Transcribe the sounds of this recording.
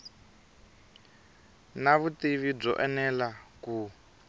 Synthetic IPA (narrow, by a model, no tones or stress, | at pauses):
naβut̪iβib͡ʐɔ̰ʔɛnɛlaku